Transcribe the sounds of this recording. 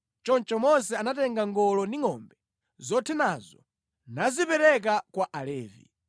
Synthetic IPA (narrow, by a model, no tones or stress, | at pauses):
t͡ʃɔnt͡ʃɔmɔs̬ɛanatɛŋɡaŋɡɔlɔndiŋɔmbɛ | zɔtʰɛnazɔ̰ | nazipɛɾɛk̬akwaʔalɛːvḭ